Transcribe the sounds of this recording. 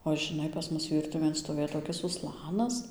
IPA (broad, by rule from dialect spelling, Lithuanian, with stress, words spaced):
oː ʒʲɪˈnɐɪ pɐs ˈmʊs ˈʋʲiːrtʊʋʲeːn stoːˈʋʲeːj toːˈkʲɪs ʊˈslˠɑːnɐs